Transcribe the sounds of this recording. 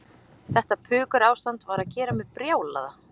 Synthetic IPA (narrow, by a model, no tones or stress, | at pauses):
θɛht̪apʰʏːkʏɾaːwst̪ant̪vaɾaðcɛːɾamɛðpɾjaːwla̰ða